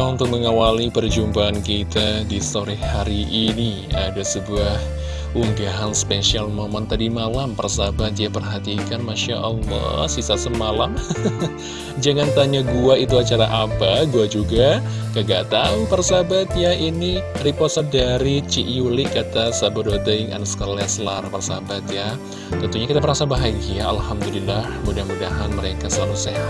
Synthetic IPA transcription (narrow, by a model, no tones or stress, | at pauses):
unt̪ʊk̚məŋawalipərd͡ʒumpaːnkit̪adist̪oɾihhaɾiʔːni | adasəbuah | ʔuŋɡaɦanspeʃialmomɔnt̪adimalampərsabat̪japərɦat̪ikanmaʃaʔɔlːɔ̰hsisasəmalam | d͡ʒaŋant̪aɲaɡuait̪uat͡ʃaɾaʔapaɡuad͡ʒuɡakəɡat̪aŋpərsabat̪jainiɾipɔsadaɾit͡ʃiʔulikat̪asabadot̪əŋa̰nasə̥kalɛslarpərsabat̪ja | t̪ɔnt̪uɲakit̪abərɾasabaɦaɡiaalhamdulilahmudahmudaɦanməɾekasəlalusea